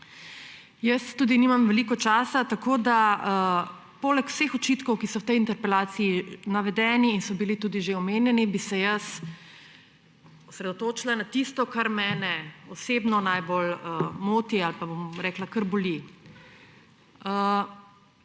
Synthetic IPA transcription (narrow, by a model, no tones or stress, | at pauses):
jəsːuːd̪iniːmamʋɛliːkɔt͡ʃaːsat̪akod̪aə | poːlɛkw̥sexɔt͡ʃit̪kɔwkisɔwt̪ɛjint̪ɛɾpɛlaːt̪siːnaʋɛd̪ɛːniːnsɔbilit̪uːd̪iʒeɔmeːnjɛnibisɛjəs | ɔsɾɛd̪ɔt̪oːt͡ʃilanat̪ist̪ɔkaɾmɛːnɛɔseːbnɔnajboləmoːt̪ialpabomɾɛːklakəɾbɔli | ə